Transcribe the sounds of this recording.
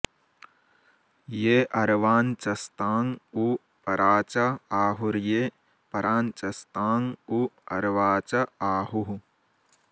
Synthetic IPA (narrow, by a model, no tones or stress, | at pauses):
jeːʔɐɾʋaːnt͡ʃɐst̪aːŋu | pɐɾaːt͡ʃɐaːɦuɾjeː | pɐɾaːnt͡ʃɐst̪aːŋuɐɾʋaːt͡ʃɐaːɦuɦu